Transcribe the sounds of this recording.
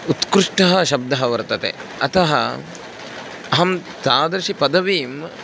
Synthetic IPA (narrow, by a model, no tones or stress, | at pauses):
ut̪kɾuʂʈɐɦɐʃɐb̚d̪ɐɦɐʋɐɾt̪ɐt̪ḛɐt̪ɐɦɐ̰ | ɐɦɐmt̪aːd̪ɐɾʃipɐd̪ɐʋiːm